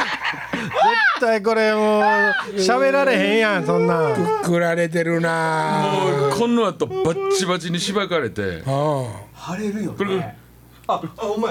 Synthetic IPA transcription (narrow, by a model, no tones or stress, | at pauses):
d͡zet̪ːaik̬oɾemoɕaβeɾaɾeɦẽjãsõnːaɯkɯɾaɾet̪̬eɾɯnamkʰõnːoat̪ːobat͡ɕibat͡ɕiɲiɕibakaɾet̪ḛɦohaɾeɾɯjk